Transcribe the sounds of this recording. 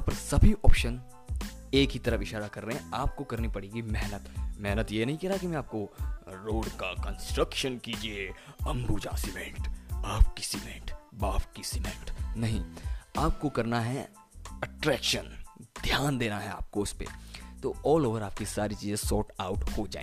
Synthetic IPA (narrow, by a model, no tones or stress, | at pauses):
aːpɐɾsɐbʱiʔɔːpʃən | eːkɦit̪ɐɾəfɪʃaːɾakɐɾːɐɦeɦɛ̃aːp̚kokɐɾnipɐɽeːɡimɛɦnət̪mɛɦnət̪jenɐɦĩkɛɾakimɛ̃aːp̚koɾoːɖkakə̃nsʈɾəkʃənkiːd͡ʒieɐ̃mɡud͡ʒã̰ːsɪmẽːɳʈaːpkisɪmḛ̃ːʈbaːfkisɪmḛ̃ːɳʈnɐɦĩaːp̚kokɐɾnaɦɛ | ɐʈɾɛːkʃənd̪ʱjaːnd̪eːnaɦɛa̰ːp̚koʊspḛt̪oːɔːloːʋəɾaːp̚kisaːɾit͡ʃiːzẽsɔːʈaʊʈhod͡ʒa̰ːḛ̃